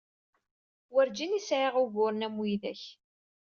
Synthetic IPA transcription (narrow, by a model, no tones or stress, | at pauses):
wæɾd͡ʒinisʕeʁʊɣʊɾnæmijðæ̰ç